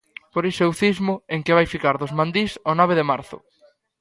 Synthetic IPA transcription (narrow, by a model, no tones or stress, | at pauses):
poɾisewθizmʊeŋkɪβajfikaɾðʊzmãnd̪isɔnaβ̞eðɪmaɾθʊ̰